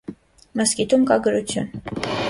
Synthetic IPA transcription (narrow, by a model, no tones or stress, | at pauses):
məskit̪umkɑɡəɾut͡sʰjṵn